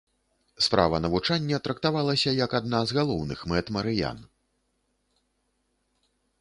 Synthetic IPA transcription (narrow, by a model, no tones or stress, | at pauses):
spɾa̰vɐnɐvut͡ʂanʲːɛt̪ɾɐkt̪avalˠɐsʲɐjɐkad̪nazɣalˠɔwnɨxmɛt̪mɐɾɨja̰n